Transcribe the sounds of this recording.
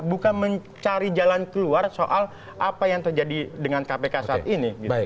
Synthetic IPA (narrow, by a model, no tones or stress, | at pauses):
bukanməɲ | t͡ʃaɾid͡ʒalankəluarsoʔal | ʔapajaŋt̪ərd͡ʒadidəŋankapekasat̪iniɡit̪